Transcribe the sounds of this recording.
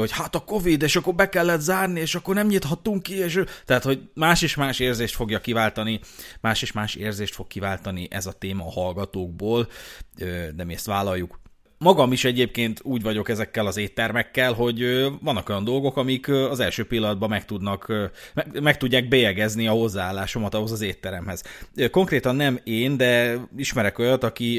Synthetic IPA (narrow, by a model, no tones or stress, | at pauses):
ochaːt̪ɒko̞vid̪eːʃɒkːo̞rbɛkɛlːɛt̪zaːrnieːʃɒkːo̞rnɛmɲit̪hɒt̪ːuŋkːieːʃt̪ɛɦat̪ho̞ɟmaːʃeːʃmaːʃeːrzeːʃt̪fo̞ɡjɒkːivaːlt̪ɒnimaːʃeːʃmaːʃeːrzeːʃt̪fo̞kːivaːlt̪ɒniʔɛzɒt̪eːmɒːhɒlɡɒt̪oːɡ̚boːlød̪ɛmiɛst̪ʋaːlɒjːuk | mɒɡɒmiʃɛɟeːp̚keːnt̪uːɟvɒɟo̞kɛzɛkːɛlɒzeːt̪ːɛrmɛkːɛlɦo̞ɟøvɒnːɒko̞jɒnd̪o̞lɡo̞kɒmikɒzɛlʃøːpilːɒd̪̚bɒmɛkt̪ud̪nɒkmɛmɛkt̪uɟːaːɡ̚bɛjɛɡɛzniɒho̞zːaaːlːaːʃo̞mɒt̪ɒɦo̞zɒzeːt̪ːɛɾɛmhɛz̥ko̞ŋkreːt̪ɒnːɛmeːnd̪ɛiʃmɛɾɛko̞jɒt̪ɒki